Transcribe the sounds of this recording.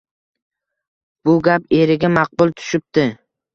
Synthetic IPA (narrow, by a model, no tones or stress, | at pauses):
b̥ʊɡʲape̞ɾɪɡʲamɑq̚bʊlˠt̪ʰʊ̥ʃɪp̚t̪ɪ